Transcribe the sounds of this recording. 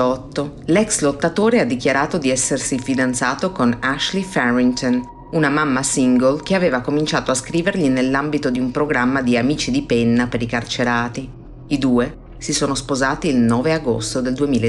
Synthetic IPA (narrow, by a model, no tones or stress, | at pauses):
ɔt̪ːolɛkslot̪ːat̪oːɾead̪ːikjaɾaːt̪od̪iɛsːersifid̪ant̪saːt̪okonaʃlifɛɾint̪on | unamamːasiŋɡolk̟eaveːvakomint͡ʃaːt̪oaskɾiːverʎinelːambit̪od̪iumpɾoɡɾamːad̪iamiːt͡ʃid̪ipɛnːapeɾikart͡ʃeɾaːt̪i | id̪uːe | sisoːnospozaːt̪iːlnɔːveaɡo̰st̪od̪eld̪uemiːl